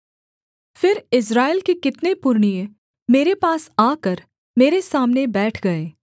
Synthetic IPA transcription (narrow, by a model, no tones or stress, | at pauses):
fɪɾɪs̬ɾaːelkekɪt̪nepʊɾɳijẽ | meːɾepaːsaːkəɾ | meːɾesaːmnebɛːʈʰɡɐeː